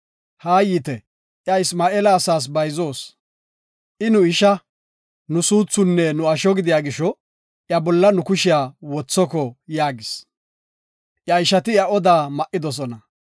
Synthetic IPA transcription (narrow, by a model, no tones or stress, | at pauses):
haːjit̪ɛ | ʔjɐɪsmaːʔelɐːsaːs̬bɐjzo̞ːs | ʔɪnʊɪʃɐ | nʊsuːt͡sːʊnːɛnʊɐʃɔɡɪd̪ɪjaːɡɪʃɔ | ʔjɐbɔlːɐnʊkʊʃɪjaːwɔt͡sːɔkɔjaːɡɪs | ʔjɐɪʃɐt̪ɪjɐɔd̪aːmɐʔːɪd̪ɔs̬ɔnɐ